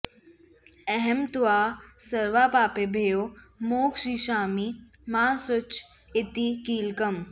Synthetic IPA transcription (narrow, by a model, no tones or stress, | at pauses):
ɛɦɛmt̪ʊaːsɐɾʋaːpaːpeːbʱeːjoːmoːksiːʃaːmi | mãːsʊt͡ʃ | ɪt̪iːkiːlkɐm